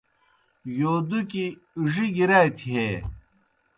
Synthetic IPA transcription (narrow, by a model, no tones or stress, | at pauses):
joːd̪uki | uʐiɡiɾajt̪ʰiɦe